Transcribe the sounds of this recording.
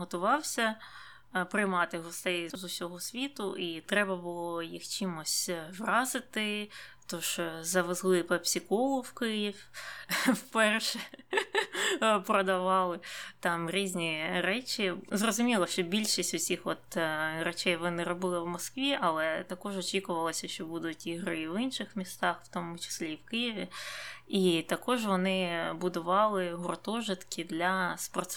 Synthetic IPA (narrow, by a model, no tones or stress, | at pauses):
ɦɔt̪ʊʋɑwsʲɐ | pɾɪjmɑt̪ɪɦɔst̪ɛjzʊsʲɔɦɔsʲʋʲit̪ʊʔit̪ɾɛbɐbʊlˠɔjixt͡ʃimʊsʲtʲʋrɑzɪt̪ɪt̪ɔʒ̥zɐʋɪzlˠɪpɛpsʲikɔlˠʊwkɪjifʲ | wpɛrʃɛ | pɾɔd̪ɐʋɑlˠɪt̪ɑmɾʲizʲnʲiɾɛt͡ʃʲɪzrɔzʊmʲilˠɐʃʲt͡ʃɔbʲilʲʃɪsʲtʲʊsʲixʋɔt̪ɾɛt͡ʃɛjʋɪnɪɾɔbɪlˠɪwmɔskʋʲiʔɐlˠɛt̪ɐkɔʒɔt͡ʃikʊʋɐlˠɔsʲɐʃt͡ʃɔbud̪ʊtʲiɦɾɪiʋɪnʃɪxmʲist̪ɑxw̥t̪omʊt͡ʃɪ̥sʲlʲiːwkɪjɪʋʲɪit̪ɐkɔʒʋɔnɪbʊd̪ʊʋɑlˠɪɦʊrt̪ɔʒɪt̪kʲɪd̪lʲɐspɔrt̪s